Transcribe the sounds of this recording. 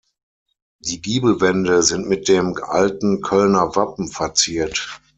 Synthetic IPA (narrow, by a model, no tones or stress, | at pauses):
d̥iːɡiːbl̩vɛndəzɪntmɪt̚d̥eːmʔa̰ltn̩kʰœlnɐvapm̩fɛɐt͡siːɐt